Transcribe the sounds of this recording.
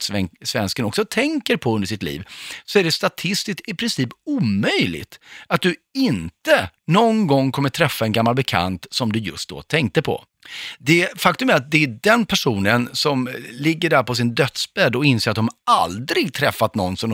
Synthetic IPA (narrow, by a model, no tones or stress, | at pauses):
ɛsvɛnskənɔksɔt̪ʰɛŋkəɾpʰɔɵnd̪əʂɪt̪lḭːvsɔæɖɛst̪at̪ʰɪst̪ɪst̪ɪpʰɾɪnsiːpuːmœjlɪ̰ɡt̪at̪̚d̪ɵɪnt̪ənɔnɡɔŋːkʰɔmːəʈ̪ʰɾɛfːaɛnɡamːalbɛkʰa̰nt̪sɔmd̪ɵjɵ̰st̪̚d̪ɔ̰t̪ʰɛŋk̚t̪əpʰɔ̰ | d̪ɛfakt̪ɵmɛat̪̚d̪ɛæɖɛnpʰæʂuːnənsɔmlɪɡːəɖæɾpʰɔs̬ɪnd̪œt̪sbɛd̪ɔɪnseːɾat̪̚d̪ɔmald̪ɾɪɡt̪ʰɾɛfːat̪nɔnːsɔm